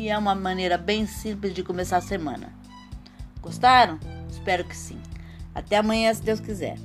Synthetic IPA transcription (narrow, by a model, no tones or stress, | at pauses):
ɪɛũmɐmɐ̃nejɾɐbẽj̃sĩmplɪzd͡ʒɪkomesaɾsemɐ̰̃nɐ̰ | ɡ̥ost̪aɾɐ̃w̃ɪspɛɾʊkɪ̥sḭ̃a̰t̪ɛɐmɐ̃ɲɐ̃sɪd̪ewskizɛ̰ɾ